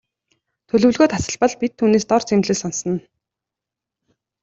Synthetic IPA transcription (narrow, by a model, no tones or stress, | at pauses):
t̪ʰɵɮɵ̆ɮɣoːt̪asə̆ɮpɞ̆ɮpit̪ʰːuːneːst̪ɔrt͡sʰemɮeːsɔnsə̆n